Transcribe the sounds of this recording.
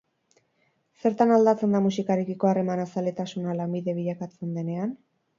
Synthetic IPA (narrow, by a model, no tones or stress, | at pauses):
se̞ɾt̪anald̪at͡se̞nd̪amusikaɾekiko̞are̞manasalet̪asunalambiðe̞β̞iʎakat͡se̞nd̪e̞ne̞an